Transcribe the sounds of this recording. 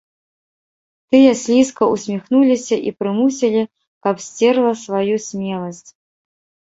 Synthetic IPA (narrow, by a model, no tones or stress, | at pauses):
t̪ɨjɐsʲlʲiskɐusʲmʲixnulʲisʲɐʔipɾɨmusʲilʲi | kɐpsʲt͡sʲɛrlˠɐsvajusʲmʲɛlˠɐsʲt͡sʲ